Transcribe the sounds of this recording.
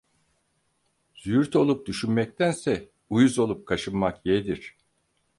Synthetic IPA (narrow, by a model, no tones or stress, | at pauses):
z̥yyɾt̪ʰo̞lˠup̚d̪yʃynmɛc̚t̪ʰænsɛ | ujuzo̞lˠup̚kʰaʃɯnmakjed̪iɾ̥